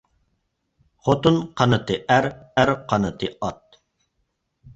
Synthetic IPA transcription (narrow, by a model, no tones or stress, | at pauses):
χot̪unqʰɑnɨt̪ɨʔæɾæɾqʰɑnɨt̪ʰɨɑt̪̚